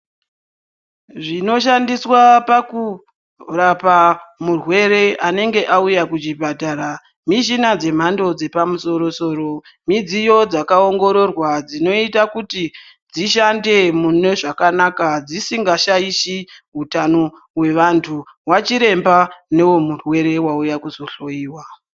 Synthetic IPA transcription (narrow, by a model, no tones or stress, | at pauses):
ʐino̞ʃ̬andiswapaku | rapamurwe̞ɾe̞ʔane̞ŋɡe̞ʔaujakut͡ʃibʱadʱaɾa | miʃinad͡ze̞m̤ando̞d͡ze̞pamuso̞ɾo̞so̞ːɾo̞ | mid͡zijo̞d͡zakaoŋɡo̞ɾo̞rwad͡zino̞itakuti | d͡ziʃande̞mune̞ʐakanakad͡zisiŋɡaʃaiʃiutano | we̞ʋantʰu | wat͡ʃiɾe̞mbane̞wo̞murwe̞ɾe̞waujakuzo̞ɬo̞iːwa